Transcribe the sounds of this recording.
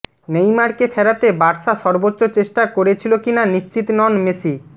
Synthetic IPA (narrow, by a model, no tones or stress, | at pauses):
nejmaɾkefʰɛɾat̪ebaɾʃaʃɔɾbotːot͡ɕeʃʈakoɾet͡ɕʰilokinaniʃt͡ɕit̪nɔnmesi